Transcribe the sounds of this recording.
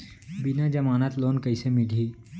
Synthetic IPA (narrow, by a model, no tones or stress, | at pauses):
bɪnad͡ʒɐmaːnət̪loːnkɐisemɪlʱiː